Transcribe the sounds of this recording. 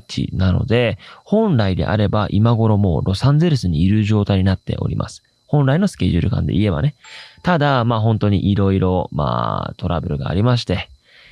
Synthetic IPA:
t͡ɕḭnano̞̰d̪e̞hõ̞nɾaid̪e̞̰ʔa̰ɾe̞baʔimaɡo̞ɾo̞mo̰ːɾʔo̞sãnd͡zeɾɯ̟sɨɲ̟iːɾɯ̟ʑo̞ːt̪aiɲ̟inat̪ːe̞̰ʔo̞̰ɾʲimʔa̰sɨ̥ | hõ̞nɾainosɨ̥ke̞ʑɨɾɯ̟kã̰nd̪e̞̰ʔie̞ba̰ne̞t̪ad̪amaːɦõ̞nt̪o̞ɲ̟ḭʔiɾo̞iɾo̞ma̰ːt̪o̞ɾabɯ̟ɾɯ̟ɡa̰ːɾʲimaɕ̬i̥t̪e̞

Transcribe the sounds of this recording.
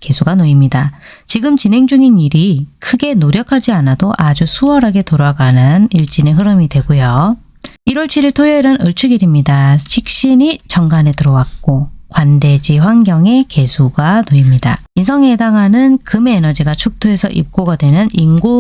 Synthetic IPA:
ke̞sʰuɡanoimɲidat͡ɕiɡɯmt͡ɕinɦe̞ŋd͡ʑuŋiniɾikʰɯɡe̞noɾjʌkʰad͡ʑianadoʔad͡ʑusʰuwʌɾɦaɡe̞toɾaɡanɯniɭt͡ɕ͈ineɦɯɾɯmidwe̞ɡojo | iɾwʌɭt͡ɕʰiɾiɭtʰojʌiɾɯnɯɭt͡ɕʰuɡiɾimɲidaɕʰik̚ɕ͈iɲit͡ɕʌŋɡanetɯɾʌwak̚k͈okwande̞d͡ʑiɸwaŋɡjʌŋe̞ke̞sʰuɡanoimɲida̰insʰʌŋe̞daŋɦanɯnkɯmeːnʌd͡ʑiɡat͡ɕʰuk̚tʰoe̞sʰʌ̰ʔḭp̚k͈oɡadwe̞nɯniŋɡu

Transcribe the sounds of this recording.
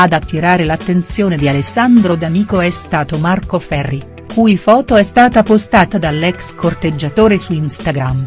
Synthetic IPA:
ad̪at̪ːiɾaːɾelat̪ːent̪sjoːned̪ialesːand̪ɾod̪amiːkoɛst̪aːt̪omarkofɛrːi | kuːjfɔːt̪oɛst̪aːt̪apost̪aːt̪ad̪alːɛkskʰort̪ed͡ʒːat̪oːɾesuinst̪aɡɾam

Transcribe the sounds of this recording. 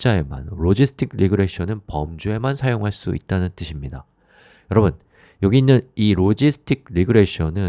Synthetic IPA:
t͡ɕ͈ae̞ma̰nɾod͡ʑisʰɯ̥tʰik̚ʰɾiɡɯɾe̞ɕʰʌnɯnpʌmd͡ʑue̞mansʰajoŋɦaɭs͈uḭt̚t͈anɯnt͈ɯɕʰimɲida̰ | jʌɾʌbɯn | jʌɡiːnːɯniɾod͡ʑisʰɯ̥tʰik̚ʰɾiɡɯɾe̞ɕʰʌnɯ

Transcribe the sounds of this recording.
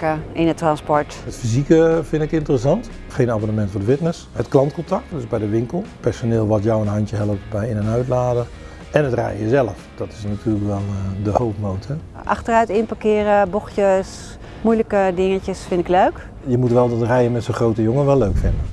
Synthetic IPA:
kəɪnətrɑnspɔɹtətfizikəfɪntɪkɪntərəsɑnt | χejnaːbonəmɛntfʊːdəfɪtnəsɦətklɑntkɔntak̚tdøzbɛjdəʋɪŋkəlˠpɛɹsonɪːlˠʋɔtjɔwənɦɑntjəɦɛlˠəp̚tbɛjɪnənœɥtlaːdər | ɛnətrɛ̰jəzɛləfd̥ɔtɪ̥snatʰyːrləkʋɛlˠədəhowftmowntʰə | ʔɑ̰xtərœɥtɪnpakɪːɾəbɔxjəs | mujləkədɪŋəcəsfɪntɪkløɥk | jəmutʋɛlˠdɑtrɛjəmɛtsoχrowtəjoŋənʋɛlˠːøɥkfɪndə

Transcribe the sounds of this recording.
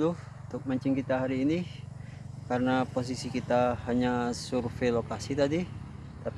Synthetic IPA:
lʊh | t̪ʊk̚maɲt͡ʃɪŋkit̪aɦaɾiːni | karənapos̬isikit̪ahaɲasurfelokasit̪adi | t̪ap

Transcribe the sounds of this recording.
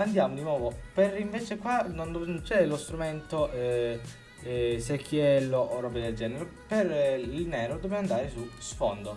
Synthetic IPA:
and̪jaːmod̪inwɔːvoperiɱveːt͡ʃekwanond̪nt͡ʃɛlost̪ɾument̪oʔ | sekʰːjɛlːoʔorɔbed̪eld͡ʒɛːneɾeperilnɛːɾod̪objaːmand̪aːɾesusfond̪o

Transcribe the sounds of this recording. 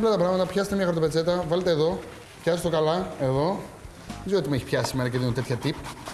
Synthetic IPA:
lɐt̪ɐpɾɐɣmɐt̪ɐpçɐset̪emɲɐxoɾt̪oet͡se̞t̪ɐvɐlet̪eːðo̞ | pçɐsest̪okɐlɐe̞ðo̞ | ezoo̞t̪imueçi̥pçɐsisimeɾɐceðint̪et̪çɐt̪ip

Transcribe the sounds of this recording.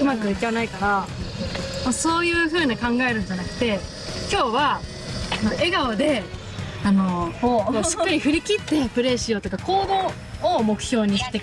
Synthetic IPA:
ɯ̟makɯ̟jɯkʲːeβanaikaɾa | moːso̞ːjɯ̟ːɸɯ̟ːɲakãŋɡae̞ɾɯ̟̃ɲ̟d͡ʑanakɯ̟̥t̪e̞ | kʲo̞ːβa | noʔe̞ɡaod̪e̞ | ano̞omoɕi̥kːaɾʲiɸɯ̟ɾʲikʲit̪ːe̞pɯ̟ɾe̞ɕio̞t̪o̞kako̞ːd̪o̞ː | mo̞kɯ̟̥ço̞ːɲ̟iɕi̥t̪e

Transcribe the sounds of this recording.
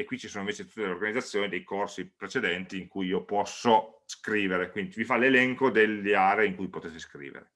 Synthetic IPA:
ekwit͡ʃisoːnoĩɱveːt͡ʃet̪u̥t̪ːed̪eleorɡanid̪at̪sːjoːnid̪ejkorsipɾet͡ʃed̪ɛnt̪iːŋkujiːopɔsːoskɾiːveɾekwind̪ivifalelɛŋkod̪elːeaːɾeiŋkujpot̪et̪eskɾḭːvḛɾe

